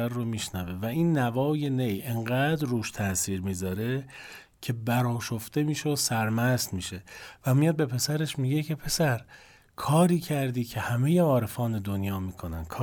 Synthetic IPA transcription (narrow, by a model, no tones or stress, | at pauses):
æɾːomiːʃnæve̞væiːnːævɒːje̞ne̞jʔeɴɢæːd̪ɾːuːʃt̪ʰæsiːɾmiːzɒːɾe̞ | cʰe̞bæɾɒːʃoft̪e̞miːʃeosæɾmæst̪miːʃe̞væmijɒːd̪̚be̞pʰe̞sæɾe̞ʃmiːɟe̞cʰe̞pʰe̞sæɾ | kʰɒːɾiːcʰæɾd̪iːcʰe̞hæmejeɒːɾe̞fɒːne̞d̪onjɒːmiːkʰo̞næ̰nkʰː